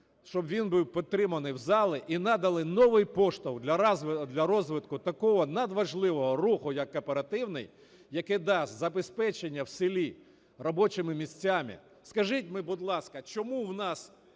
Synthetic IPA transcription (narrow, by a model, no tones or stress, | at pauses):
ʃt͡ʃɔbʋʲinbɪwpʲit̪ːɾɪmɐnɪjwzɑlˠɪʔinɑd̪ɐlˠɪnɔʋɪjpɔʃt̪ɔwd̪lʲɐd̪lʲɐɾɔzʋɪt̪kʊt̪ɐkɔɦɔnɐd̪ʋɐʒlˠɪʋɔɦɔɾuxʊjɐkːɐpeɾɐt̪ɪwnɪj | jɐkɪd̪ɑsʲt̪ʲzɐbespɛt͡ʃenʲːɐwsɪlʲi | rɔbɔt͡ʃɪmɪmʲisʲt͡sʲːamɪ̰ | skɐʒɪt̚ʲmɪbʊd̪lˠɑskɐt͡ʃɔmuwnɑs